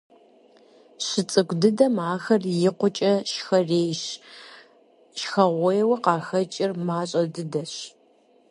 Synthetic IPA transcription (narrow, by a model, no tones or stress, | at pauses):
ɕɪt͡sʼɨɡʷdɨdɐmaːxɐrjɪqʷʊt͡ʃʼɐʃxɐreːjʃ | ʃxɐʁʷɔjɛwɐqɑːxɐt͡ʃʼɪrmaːɕʼɐdɨdɐɕ